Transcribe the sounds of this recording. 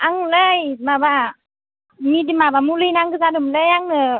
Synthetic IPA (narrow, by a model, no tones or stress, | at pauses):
ʔaŋləjmaba | midimabamulɯjnaŋkɯzadɯmləjaŋnɯ